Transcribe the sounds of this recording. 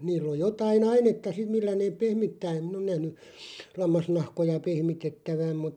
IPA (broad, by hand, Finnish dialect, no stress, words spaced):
niːlˑ oj jotɑin ɑinetːɑ sim̆ milːæ neːp̆ pehmitːæː em min on næhny lɑmːɑsnɑhkojɑ pehmitetːæʋæm mut